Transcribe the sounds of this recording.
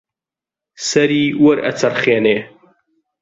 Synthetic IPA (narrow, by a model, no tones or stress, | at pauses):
sɐɾiːwɐɾɐ̰t͡sʰɐrχeːneː